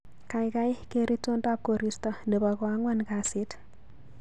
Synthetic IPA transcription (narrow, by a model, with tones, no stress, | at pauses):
ka˨ɪka˦ɪ˦ke˦ɾi˦to˦nta˦p̚ko˨ɾi˦stɔ˨nde˨ba˨kwa˦ŋwa˦nka˨sɪ˦t